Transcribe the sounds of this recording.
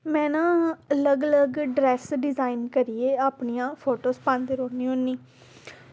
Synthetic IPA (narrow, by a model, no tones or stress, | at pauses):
mɛ̃ːnãːələɡələɡɖɾɛːsɖɪzaːinkəɾiːeːaːpɳiːãːpʰoːʈoːspãːnd̪eɾoːniːɦonːiː